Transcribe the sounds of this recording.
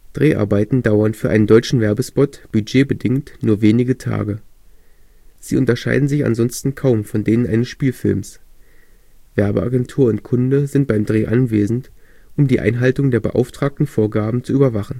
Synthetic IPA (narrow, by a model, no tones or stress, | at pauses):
d̥ʁeːʔa̰ɐbaɪtn̩d̥aʊɐnfyːɐʔaɪnəndɔʏt͡ʃn̩vɛɐbəspɔtb̥yd͡ʒeːbədɪŋtnuːɐveːnɪɡətʰa̰ːɡə | z̥iːʔʊntɐʃa̰ɪdn̩zɪça̰nzɔnstn̩kʰaʊmfɔndeːnənʔa̰ɪnəsʃpiːlfɪ̰lms | v̥ɛɐbəʔa̰ɡɛntʰuːɐʊntkʰʊndəzɪnt̚b̥aɪmdʁeːʔanveːzn̩t | ʔʊmdiːʔa̰ɪnɦaltʊŋdeːɐbə̰ʔa̰ʊftʁ̥aːk̚tn̩foːɐɡaːbm̩t͡suyːbɐvaχn̩